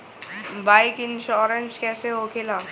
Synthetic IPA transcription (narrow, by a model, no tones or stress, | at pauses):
baːɪkɪnʃɔːɾənskɛːseɦokʰela